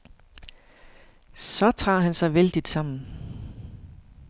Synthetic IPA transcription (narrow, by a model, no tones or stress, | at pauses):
sɒ̽t͡sʰʁɑ̰̈ːɦænsɑ̈ɪʋeld̥id̥sɑ̈m̰n̩